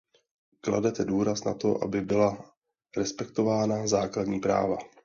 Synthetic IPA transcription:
kla̰dɛt̪ɛduːɾasna̰t̪o̞ʔa̰bɪbɪla | ɾɛspɛkt̪o̞vaːnazaːkladɲiːpɾa̰ːva

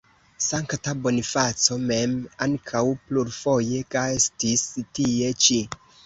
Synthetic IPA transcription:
saŋktabo̞nifat͡so̞me̞maŋkʰawpluɾfo̞je̞kaestistie̞t͡ʃi

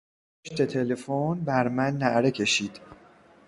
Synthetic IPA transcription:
oʃt̪e̞t̪ʰelefonbæɾmænːæʔɾe̞cʰe̞ʃiːd̪̥

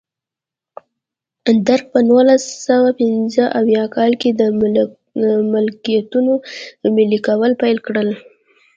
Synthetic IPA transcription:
d̪aɾk̚pənolasawapɪnzəʔawjɑkɑlked̪ə | mɪlkijat̪unomɪlikawəlpajlkɽəl

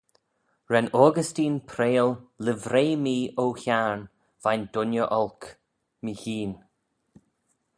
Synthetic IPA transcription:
ɹɛnɔːɡəstiːnpʰɾeːllɪvɾeːmiːowçaɹn | vajnd̥̪ʊnjəʔɔlk | mihiːn

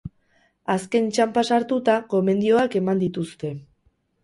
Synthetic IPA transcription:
aske̞nt͡ʃampasaɾt̪ut̪ako̞me̞nd̪io̞ake̞mand̪it̪ust̪e̞

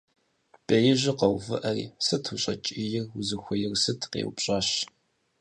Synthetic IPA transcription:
b̥ʼejɪʑɪqɐwvɨʔɐrḭːsɨtʰuɕʼɐ̰t͡ʃʼijɪrwʊzɨxʷɔjɪrsɨtʰqḛwpɕʼaːɕ

